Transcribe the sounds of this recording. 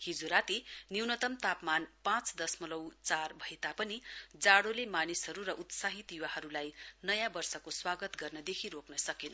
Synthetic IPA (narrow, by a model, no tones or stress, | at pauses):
hid͡zoɾat̪iniwnʌt̪ʌmt̪apmanpãt͡sd̪ʌsmʌlʌwt͡sarbʱʌet̪apʌnid͡zaɽolemanisɦʌɾurʌʔut̪saɦit̪juwaɦʌɾulajnʌjãbʌrsʌkoswaɡʌt̪ɡʌrnʌd̪ekʰiɾoknʌsʌkinʌ